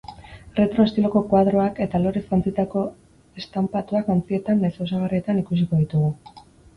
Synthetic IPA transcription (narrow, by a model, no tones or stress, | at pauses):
re̞t̪ɾoest̪ilo̞ko̞kwaðɾo̞ake̞t̪alo̞ɾe̞skant͡sit̪ako̞ | e̞st̪ampat̪uakant͡sie̞t̪anesos̬aɣ̞arie̞t̪anikusiko̞ð̞it̪uɣ̞u